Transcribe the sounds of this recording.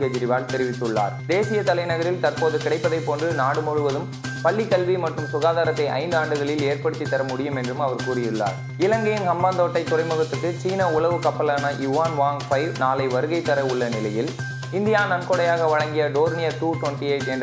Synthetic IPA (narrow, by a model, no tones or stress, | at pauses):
kɐd͡ʒɪɾɪʋaːlt̪ɛɾɪʋɪt̪ːɯɭːa̰ːɾd̪eːsɪjɐt̪ɐlɐɪnɐɣɐɾɪlt̪ɐrpoːðɯkɪɽɐɪpːɐðɐɪpːoːndrɯnaːɽɯmʊɻɯʋɐðɯm | pɐɭːikːɐlʋimɐʈrɯmsʊɣaːðaːɾɐt̪ːɐɪʔɐ̰ɪnd̪aːɳɖɯɣɐɭɪleːɾpɐɽɯt̪ːit̪ːɐɾɐmʊɽɪjɯmɛndrɯmɐʋɐɾkuːrɪjɯɭːa̰ːɾ | ɪlɐŋɡɐjɪnkɐmbaːnd̪oːʈːɐɪt̪ːʊrɐɪmɯɣɐt̪ːɯrkːɯt͡ʃiːnɐʊɭɐʋɯkɐpːɐlaːnɐjʊʋaːnʋaːŋɡfɐɪʋnaːlɐɪʋɐɾɯɣɐɪt̪ːɐɾɐʊɭːɐnɪlɐjɪl | ɪnd̪ɪjaːnɐnkoːɽɐjaːɣɐʋɐɻɐŋɡɪjɐɖoːɾnɪjɐʈuːʈʋɐnʈieɪʈɛnd